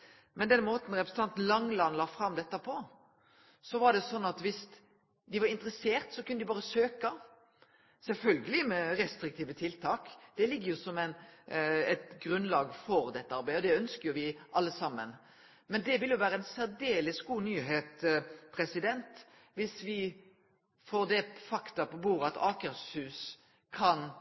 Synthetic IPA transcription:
mɛnd̪ɛnmoːt̪n̩ɾɛpɾsn̩t̪ɑnt̪lɑŋlɑnlɑːfɾɑmd̪ɛt̪ːəpʰɔ | sɔʋɑɖɛsɔnːɑt̪ʋɪs | d̪ɪʋɑɾɪnt̪ɾəseːʁt̪sɔkʰʉnːəd̪ɪbɑːɾəsøːkɑ | sɛlfœlɡəlɪmɛɾɛst̪ɾɪkt̪ʰiːʋət̪ʰɪlt̪ʰɑːkd̪̥ɛlɪɡːəʁjʊsɔmæɪn | ɛt̪ɡɾʉnlɑːɡfɔɾd̪ɛt̪ːəɑɾbæɪɔd̪ɛœnskəjʊʋɪʔɑlːəsɑmːən | mɛnd̪ɛʋɪlːjʊʋæːɾəɛɪnsæd̪eːlɪsɡuːnyːɦeːt̪pʰɾɛsɪd̪ɛnt̪ | ʋɪsʋɪ | foːʁd̪ɛfɑkt̪ɑpɔbuːɾəɑt̪ɑːkəɾshʉːs | kʰɑn

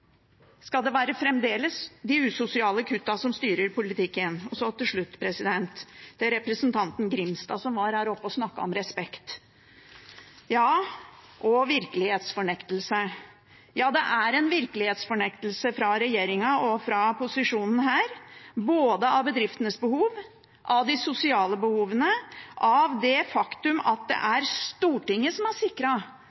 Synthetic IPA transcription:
skɑld̪ɛʋæːɾəfɾɛmd̪eːləsd̪ɪʉːsʊsɪɑːləkʰʉt̪ːɑsɔmst̪yːɾəɾpʰʊlɪt̪ʰɪkːənɔsɔt̪ʰɪlʂɭʉt̪ːpʰɾɛsɪd̪ɛnt̪d̪̥ɛɾɛpɾəsnt̪ʰɑnt̪n̩ɡɾɪmst̪ɑ̰sɔmʋɑɾhæɾɔpːɔsnɑkːɑɔ̰mɾɛspɛkt̪ | jɑːʔɔʋɪɾkəlɪheːt̪sfɔɳɛkt̪əlsə | jɑːd̪ɛʔæɾɛnʋɪɾkəlɪheːt̪sfɔɳɛkt̪əl̩səfɾɑɾɛjeːɾɪŋɑɔfɾɑpʊsɪʂuːnn̩ɦæːɾboːd̪əɑʋbəd̪ɾɪft̪ənəsbəhuːʋ | ʔɑʋd̪ɪsʊsɪɑːləbəhuːʋənəʔɑʋd̪ɛfɑkt̪ʉmɑt̪̚d̪ɛ̰ʔæɾst̪uːʈɪŋːəsɔmæʂɪkɾɑ

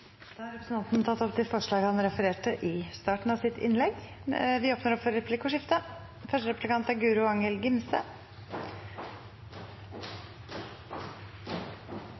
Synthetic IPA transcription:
d̪̥ɑːhæɾɛpɾsn̩ɑnt̪nt̪ʰɑt̪ːɔpt̪ʰɪlfɔʂɭɑːɡhɑnɾɛfəɾeːʈəʔɪst̪ɑːʈɳ̩ɑʋsɪt̪ʰɪ̰nlɛɡʋɪoːpnəɾɔpfɔɾɛplɪkːfɔʂɪft̪ə | fœʂʈəɾɛpʉlɪkʰɑnt̪æɾɡʉːɾʊɑŋəlɡɪmsə

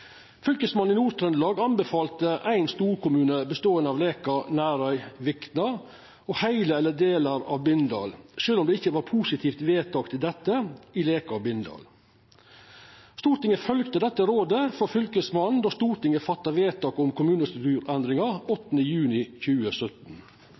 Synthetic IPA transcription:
fʏlkəsmɑnɪnuːɾt̪ʰɾɛnlɑːɡɑnbəfɑːlt̪əʔæɪnst̪uːɾkʊmʉːnəbəst̪oːənəɑːʋleːkɑnæːɾœʏʋɪkt̪nɑɾ | ɔhæɪləɛlːəd̪eːlɑɾɑ̰ʋbɪnd̪ɑ̰ːlʂøːlɔmd̪ɛːɪçːəʋɑːɾpʰuːsɪt̪ʰiːft̪ʋeːt̪ʰɑːkt̪ɪld̪ɛt̪ːəɪleːkɑbɪnd̪ɑ̰ːl | st̪uːɾʈ̪ɪŋəfœlkt̪əd̪ɛt̪ːəɾoːd̪əfɔɾfʏlkəsmɑnd̪ɔst̪uːɾʈ̪ɪŋəfɑt̪ːɑʋeːt̪ɑːkʊmkʰʊmʉːnəst̪ɾʉt̪ʉːɾɛnd̪ɾɪŋɑɾɔt̪ːənəjʉːnɪçʉːəsœt̪n

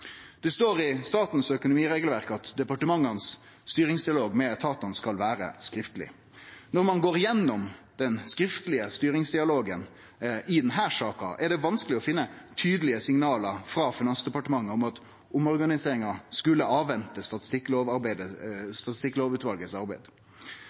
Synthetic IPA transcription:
d̪̥ɛst̪oːɾɪst̪ɑːt̪n̩sœkʊnʊmiːʁeːɡəlʋæɾkəɑt̪d̪ɛpɑʈəmɑŋːɑnsː | t̪yːɾɪŋsd̪ɪɑloːɡmɛt̪ʰɑːt̪ɑnskɑlʋæːɾə̰skɾɪft̪əlɪ̰ | nɔɾmɑnɡoːɾɪjɛnːɔmd̪̥ɛnskɾɪft̪lɪəst̪yːɾɪŋsd̪ɪɑloːɡən | ʔɪd̪ɛnɦæːʂɑːkɑ̰ʔɛɖɛʋɑnskəlɪɔfɪnːət̪ʰyːd̪əlɪəsɪŋnɑːləɾfɾɑfɪnɑnsd̪ɛpɑʈəmɑŋːəɔmɑt̪ | ʊmɔɾɡɑnɪseːɾɪŋɑskʉlːəʔɑːʋːɛnt̪əst̪ɑt̪ɪ̥st̪ɪkːloːʋɑɾbæɪd̪əst̪ɑt̪ɪst̪ɪkːloːʋʉːt̪ʋɑlɡəsɑɾbæɪd̪

